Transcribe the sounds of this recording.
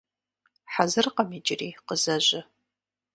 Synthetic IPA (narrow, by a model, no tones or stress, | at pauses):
ħazɨrqɐmid͡ʒʼɪriːqəzɐʑʷɪ